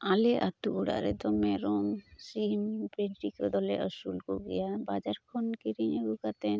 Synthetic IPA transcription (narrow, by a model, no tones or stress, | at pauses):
alɛʔat̪uuɽa̰ɾɛd̪ɔmɛɾɔmsimpɾeʈikɔd̪ɔlɛʔəsulkuɡɛ̰jabad͡ʒaɾkʰɔnkiɾiɲeɡukat̪ɛn